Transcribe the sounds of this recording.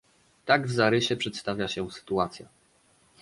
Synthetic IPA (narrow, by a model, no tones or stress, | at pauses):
t̪aɡvzaɾɘɕɛpʂɛt̪st̪avʲjaɕɛsɘ̥t̪uat̪sʲja̰